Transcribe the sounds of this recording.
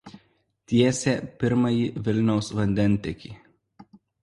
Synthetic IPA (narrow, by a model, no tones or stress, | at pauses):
t̪ʲiɛsʲeːpʲɪɾmɐjiʋʲɪlʲnʲɛʊsʋɐnʲd̪ʲɛnʲˑt̪ʲɛkʲiː